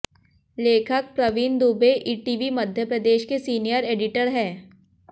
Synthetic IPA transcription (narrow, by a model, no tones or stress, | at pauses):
leːkʰək̚pɾɐʋiːnd̪uːbeʔiːʈiːʋimɐd̪ʱjəpɾəd̪eːʃkesiːnijəɾeːɖɪʈəɾɦɛː